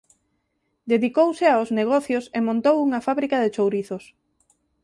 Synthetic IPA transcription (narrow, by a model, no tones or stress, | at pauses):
d̪eðikowsɪaozneɣ̞ɔθjosemõnt̪owuŋafaβɾikaðet͡ʃowɾiθos